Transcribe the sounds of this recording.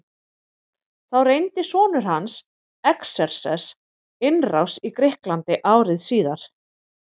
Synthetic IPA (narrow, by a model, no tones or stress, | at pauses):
θawrejnt̪ɪsɔːnʏɾ̥hans | ɛksɛɾ̥sɛ̰s | ɪnrawsikɾɪhklant̪ɪʔaːwɾɪðsiːðaɾ̥